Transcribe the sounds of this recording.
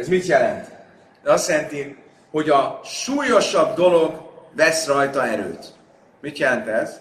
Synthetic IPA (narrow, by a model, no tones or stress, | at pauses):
ɛzmit̪jɛlɛnt̪ | ɒst̪jɛlɛnt̪i | ho̞ɟɒʃuːjo̞ʃɒbd̪o̞lo̞ɡvɛsrɒjt̪ɒɛɾø̰ːt̪ | mit̪jɛlɛnt̪ɛz̥